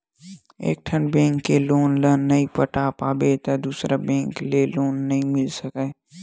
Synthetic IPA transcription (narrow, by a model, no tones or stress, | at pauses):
ḛːk̚ʈʰənbɛ̃ːŋkːeloːnləːnːɐĩpəʈaːpaːbet̪ad̪uːsɾabɛ̃ːŋkleloːnːəɦĩmɪlsəkə